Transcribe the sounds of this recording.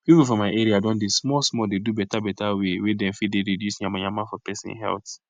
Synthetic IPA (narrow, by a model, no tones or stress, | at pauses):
pipufɔ̃maɪʔɛɾiadɔ̃ndesmɔsmɔdedubɛtabɛtawewedɛ̃mfidedidjusɲãmaɲamãfɔpɛsḭ̃n̰ɦɛ̰lt